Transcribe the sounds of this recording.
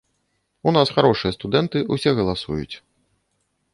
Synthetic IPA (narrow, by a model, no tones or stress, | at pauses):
unasxaɾɔʂɨjɐst̪ud̪ɛnt̪ɨusʲɛɣɐlˠasujṵt͡sʲ